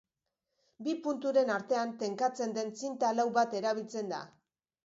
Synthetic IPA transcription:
bipunt̪uɾe̞naɾt̪e̞ant̪e̞ŋkat͡se̞nd̪e̞nt͡sint̪alawβat̪e̞ɾaβ̞ilt͡se̞nd̪a̰

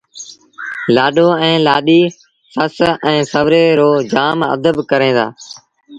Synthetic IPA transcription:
laːɗoːɛ̃ːlaːɗiː | səsɛ̃ːsəʋɾeːɾoːd͡ʒaːmə̰d̪əbkəɾẽːd̪a̰ː

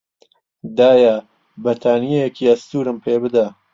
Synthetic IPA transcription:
d̪aːja | bɐt̪ʰaːnijejekʰiɐst̪uːɾɨmpʰeːbɨd̪a

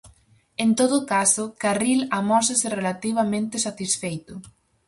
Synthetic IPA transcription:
ent̪oðʊkasʊkarilamɔsasɪrelat̪iβ̞amẽnt̪ɪsat̪isfejt̪ʊ

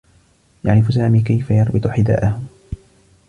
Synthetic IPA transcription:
ja̰ʕɾɪfusaːmiːkajfajɑɾˤbɨt̪ˤħɪd̪a̰ːʔahʊm

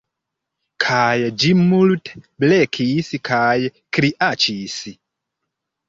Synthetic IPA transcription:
kʰajɛd͡ʒimːulutʰɛ̥blɛkʰisikʰajɛkʰɾiʔat͡ʃisi

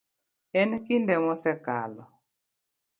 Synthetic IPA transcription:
ɛnkindɛmɔsɛkalɔ

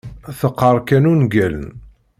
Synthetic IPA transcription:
θəqːəɾˤkænunɡælə̰n

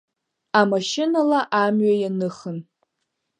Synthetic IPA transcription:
amaʃɪnalaʔamɥajanɨχən

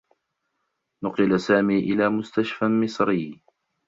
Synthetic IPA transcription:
nʊqɪlasaːmiːʔɪlaːmʊst̪aʃfamɪsˤɾɪː

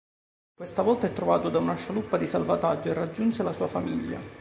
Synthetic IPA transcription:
kwest̪avɔlt̪aɛt̪ːɾovaːt̪od̪aunaʃalupːad̪isalvat̪ad͡ʒːoerːad͡ʒːunselasuːafamiʎːa̰

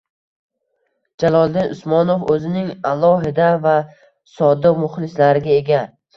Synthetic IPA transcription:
d͡ʒalˠɒlˠd̪ɪnʔʊ̰smɒnofɵzɪnɪŋalˠɒɦɪd̪ava | sɒd̪ɪmʊχlɪslaɾɪɡʲaeɡʲa

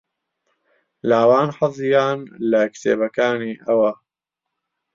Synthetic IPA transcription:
laːwaːnħɑzˤjaːnlɐkt̪ḛːbɐkaːniːʔɐwɐ

